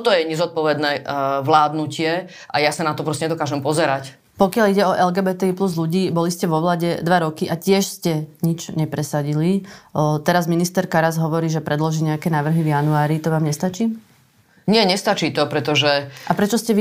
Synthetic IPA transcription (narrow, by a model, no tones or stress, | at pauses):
ɔt̪ɔjɛɲɛzɔt̪̚pɔʋɛd̪nɛːʋlaːd̪nucɪɛ | ʔajasanat̪ɔpɾɔstcɛɲɛd̪ɔkaːʒɛmpɔzɛɾac | pɔkɪaliɟɛɔʔɛlɡɛːbɛːt̪ɛipluzluɟiːbɔliscɛʋɔʋlaːɟɛd̪ʋaɾɔkiʔacɪɛʃscɛɲit͡ʃɲɛpɾɛsaɟilit̪ɛɾazminist̪ɛɾkaɾazɦɔʋɔɾiːʒɛpɾɛd̪lɔʒiːɲɛakɛːnaːʋr̩ɦivjanuaːɾit̪ɔʋaːmɲɛst̪at͡ʃiː | ɲɪɛɲɛst̪at͡ʃiːt̪ɔpɾɛt̪ɔʒɛʔapɾɛt͡ʃɔscɛ